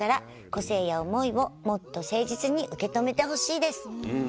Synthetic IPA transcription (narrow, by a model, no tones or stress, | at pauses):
aɾa | ko̞se̞ːjao̞mo̞iβo̞mo̞t̪ːo̞se̞ːʑit͡sɨɲ̟iʔɯ̟ke̞t̪o̞me̞t̪e̞ɦo̞ɕiːd̪e̞sɨ̥